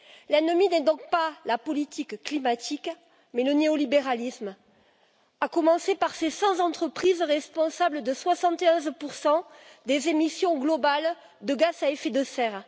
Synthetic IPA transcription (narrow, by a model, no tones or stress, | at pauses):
lɛnəminɛd̪ɔ̃k̚palapɔlit̪ʰikklimat̪ʰik | mɛləneɔlibeʁalism | akɔmɑ̃sepaʁsesɑ̃zɑ̃t̪χəpχizʁɛspɔ̃sabləd̪əswasɑ̃t̪eɔ̃zpuʁsɑ̃d̪ezemisjɔ̃ɡlɔbal | d̪əɡazaefed̪əsɛʁ